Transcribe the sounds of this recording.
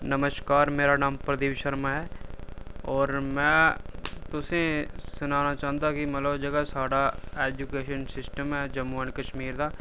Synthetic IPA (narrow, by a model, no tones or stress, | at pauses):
nəməʃkaːɾmeːɾanaːmpɾɐd̪iːʋʃəɾmaɦɛː | ɔːɾmɛ̃ː | t̪ʊsẽsʊnaːnat͡ʃaːə̃nt̪akimɐt̪ləbd͡ʒɐɡəsaːɽaeːd͡ʒukeːʃənsɪsʈəmɦɛd͡ʒɐmːuənkɐʃmiːɾd̪aː